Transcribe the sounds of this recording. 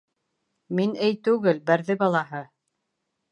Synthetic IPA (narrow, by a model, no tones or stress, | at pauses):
minɘjt̪ʉɡɘlbæɾðɘbɑlˠɑɦɤ